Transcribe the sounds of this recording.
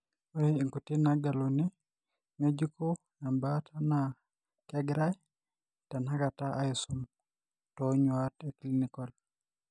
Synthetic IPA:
wɔiŋkutinaɡaluni | med͡ʒiko | nambatʰana | kɛɡɾaj | tanakataʔaisum | tɔɲwateklinikɔl

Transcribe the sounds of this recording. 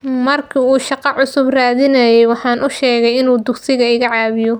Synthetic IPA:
mɐrkʰiuːʃɑqɑʕʊsʊbraːðɪnɐjɛjwɑħɑːnʔʊʃɛːɣɛjɪnuːd̪ʊɡsɪɣɐɪɣɐʕɑːβɪjɔ

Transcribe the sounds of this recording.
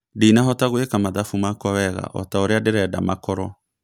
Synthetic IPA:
diːnaɦɔtaɣwekamaðafumakɔwɛɣa̰ʔɔ̰taoɾeadeɾɛːda̰makɔɾɔ

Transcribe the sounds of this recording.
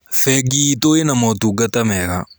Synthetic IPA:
fɛɡitoenamɔtuɡatamɛɣa̰

